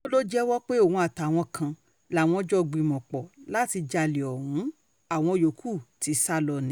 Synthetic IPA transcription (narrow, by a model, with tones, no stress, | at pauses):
o˦lo˦d͡ʒɛ˦wɔ˦k͡pe˦o˦˨ũ˧˦a˨ta˨w̃ɔ̃˧kʰã˧ | la˨w̃ɔ̃˧d͡ʒɔ˦˧ɡ͡bĩ˧˨mɔ̃˨k͡pɔ˨la˦ti˧d͡ʒa˧le˨ɔ˨ɾũ˨˦ | a˦˨w̃ɔ̃˧jo˨˦kʰu˦˨ti˨˧˦sa˦lɔ˧˨nĩ˨˦